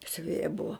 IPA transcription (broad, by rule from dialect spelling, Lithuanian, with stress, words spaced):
sʲʊˈʋʲeːjɛ ˈbʊʋoː